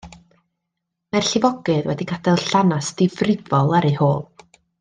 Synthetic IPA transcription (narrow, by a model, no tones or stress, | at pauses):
marɬɪvɔɡɨðwɛdikʰadɛlˠɬanasd̥ɪvrɪvɔlˠaɾejhoːlˠ